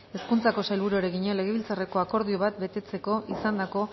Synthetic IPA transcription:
e̞skunt͡sako̞sajlβuɾoeɾeɣiɲo̞le̞ɣ̞e̞β̞ilt͡sare̞ko̞ako̞ɾðio̞β̞at̪̚be̞t̪e̞t͡se̞ko̞ʔisand̪ako̞

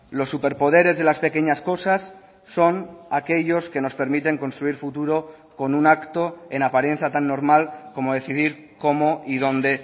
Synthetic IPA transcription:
lo̞sːupe̞ɾpo̞ð̞e̞ɾe̞zðe̞laspe̞ke̞ɲasko̞sasː | o̞nake̞ʎo̞ske̞no̞spe̞ɾmit̪e̞ŋko̞nst̪ɾuiɾfut̪uɾo̞ | ko̞nunakt̪o̞e̞napaɾe̞nθjat̪anːo̞ɾmalko̞mo̞ð̞e̞θiðiɾ | ko̞moiðo̞nd̪e̞

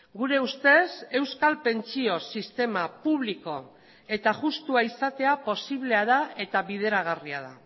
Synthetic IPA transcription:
ɡuɾe̞ust̪e̞se̞wskalpe̞nt͡sio̞sist̪e̞mapuβliko̞ | e̞t̪aʝust̪uaisat̪e̞apo̞siβle̞aðae̞t̪aβið̞e̞ɾaɣ̞ariaða

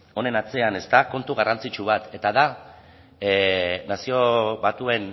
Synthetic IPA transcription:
o̞ne̞nat͡se̞ane̞st̪ako̞nt̪uɣarant͡sit͡ʃuβ̞at̪e̞t̪aða | nasio̞βat̪ue̞n

